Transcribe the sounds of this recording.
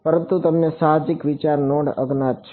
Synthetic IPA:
pəɾə̃nt̪ut̪əmnesaɦad͡ʒikʋɪt͡ʃaɾnɔ̃ɳɖə̰ɡnat̪̚t͡ʃʰ

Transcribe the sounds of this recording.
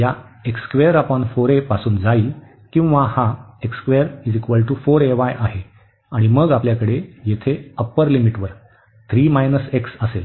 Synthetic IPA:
ja | ekskʋeəɾapɔɳfoɾepasuːnd͡zaiː | kĩw̃ʋahaekskʋeəɾiːd͡zikʋəlʈufoɾeʋajʔaɦe | aɽ̃iməɡapljakəɽejet̪ʰeəpəɾlimiʈʋəɾ | t̪ʰɾiːmajnəseksəsel

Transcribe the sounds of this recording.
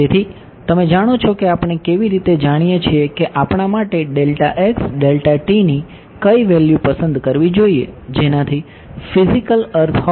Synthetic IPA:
et̪ʰi | t̪əmed͡ʒaɽ̃ot͡ʃʰokeapɳ̃ekeʋiɾit̪ed͡ʒaɽ̃ijet͡ʃʰiekeʔapɳ̃amaʈeɖelʈaʔeksɖelʈaʈini | kəiʋeljupəsənd̪kəɾʋid͡ʒoiḛd͡ʒenat̪ʰi | fizikələɾt̪ʰɔ

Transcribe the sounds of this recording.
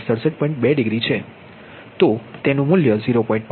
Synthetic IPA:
səɽsəʈ̚pɔ̃ĩɳʈ̚bɛɖɪɡɾit͡ʃʰe | t̪ot̪enũmʊljəziɾopɔĩɳʈ̚p

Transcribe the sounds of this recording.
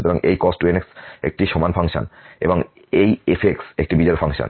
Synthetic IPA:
t̪ɔɾaŋʔejkɔsʈueneksḛk̚ʈiʃɔmanpʰaŋʃo̰nḛboŋ | ejefʰeksek̚ʈibid͡ʑɔjɾofʰaŋʃo̰n

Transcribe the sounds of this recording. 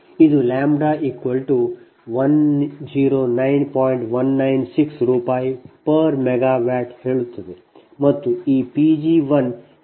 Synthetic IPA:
ɪd̪ʱulɛːmbɽaʔikʋəlʈu | ʋɐnd͡ʒiːɾoːnaɪnpɔːɪɳʈʋɐnːaɪnsɪksɾupaːipɐɾmeɡaːʋɛːʈheːɭut̪ʰːəd̪e | mɐt̪ːuiːpid͡ʒiʋɐn

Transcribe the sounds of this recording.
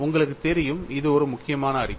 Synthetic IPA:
ʊŋɡɐɭɯkːɯt̪ɛɾɪjɯmɪðɯɔɾɯmʊkːɪjɐmaːnɐːrɪ

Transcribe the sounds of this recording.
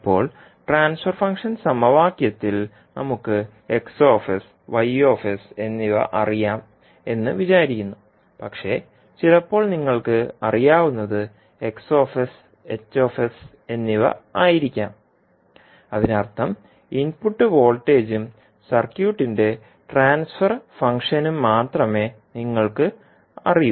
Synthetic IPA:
pːo̞̰ːɭ | ʈraːnsfɐrfɐŋkʂɐnsɐmɐʋaːkjɐt̪ːil | nɐmukːɨ | e̞kso̞ːfis | ʋɐjo̞ːfese̞nːiʋɐ̰ʔɐrijaːm | e̞nːɨʋit͡ɕaːɾikʲːunːu | pɐkʂe̞ | t͡ɕilɐpːo̞ːɭniŋːɐɭkɨɐrijaːʋunːɐðɨ | e̞kso̞ːfes | et͡ɕːo̞ːfes | e̞nːiʋɐ̰aːjiɾikʲːaːm | ɐðinɐrt̪ʰɐm | inpuʈːɨʋo̞ːlʈːe̞ːd͡ʑum | sɐrkjuːʈːinde̞ | ʈraːnsfɐrfɐŋkʂɐnumːaːt̪rɐme̞ | niŋːɐɭkɨ | ɐ̰riju

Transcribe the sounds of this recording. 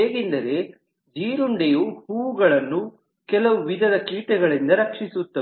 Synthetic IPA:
eːɡind̪ɐɾe̞ | d͡ʒiːɾuɳɖejuhuːʋuɡɐɭɐnːu | kɛlɐʋuʋid̪ʱɐd̪ɐkiːʈɛɡɐɭind̪ɐɾɐkʂisut̪ːɐe

